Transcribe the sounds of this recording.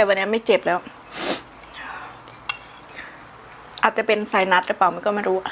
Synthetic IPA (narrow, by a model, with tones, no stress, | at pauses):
t̪ɛː˨˩wa˧nːi˦˥˩ma˥˩jt͡ɕe˨˩p̚lɛː˦˥w | ʔaː˨˩t̪̚t͡ɕa˨˩pe˧nsa˧jna˦˥t̪̚ɾɯ˦˥pa˨˩wma˧nkɔː˥˩ma˥˩jɾuː˦˥˧